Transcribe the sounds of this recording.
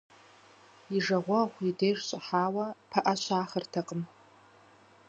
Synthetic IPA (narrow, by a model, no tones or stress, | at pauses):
iʐɐʁʷɔʁʷidejʐɕʷʼaħaːwɐpʰɐʔɐʃʷʰaːχərtʰɐqʼəm